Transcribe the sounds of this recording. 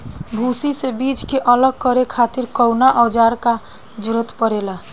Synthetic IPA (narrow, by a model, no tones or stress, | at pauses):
bʱusisebit͡ʃkeʔələɡ̚kəɾekʰat̪iɾkəwnaʔəd͡ʒaɾka | d͡ʒɾət̪pəɾela